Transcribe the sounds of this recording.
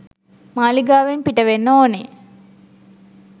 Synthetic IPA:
maːliɡaːʋenpiʈɐʋenːoone

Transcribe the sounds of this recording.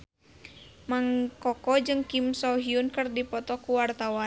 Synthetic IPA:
maŋkɔkɔd͡ʒɨŋkimsɔɦiunkɨrdipɔt̪ɔkuwart̪awan

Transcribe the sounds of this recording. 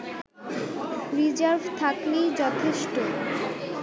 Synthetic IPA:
ɾid͡ʑaɾvʱt̪ʰakled͡ʑɔt̪ʰeʃʈo

